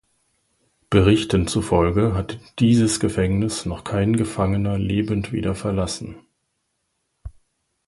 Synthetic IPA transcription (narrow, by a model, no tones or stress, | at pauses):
b̥əʁ̞ɪçtənt͡sufɔlɡəɦatd̥iːzəsɡ̥əfɛŋnɪsnɔχkʰaɪnɡəfaŋənɐleːbəntv̥ḭːdɐfɛɐlasn̩